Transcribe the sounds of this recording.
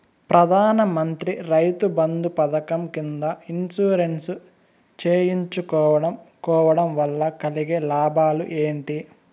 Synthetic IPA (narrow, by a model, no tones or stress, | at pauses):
pɾɐd̪ʱaːnɐmɐnt̪ɾiɾɐjt̪ubɐnd̪upɐd̪ɐkɐmkind̪ɐinsuːɾe̞nsu | t͡ʃeːjiɲt͡ʃukɔːʋɐɽɐmkɔːʋɐɽɐmʋɐlːɐkɐliɡeːlaːbʱaːlṵʔe̞ːɳʈi